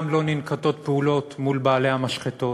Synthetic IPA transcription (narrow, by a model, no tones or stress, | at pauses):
mlo̞ninkat̪o̞t̪̚peulo̞t̪mulbaːlehamaʃχet̪o̞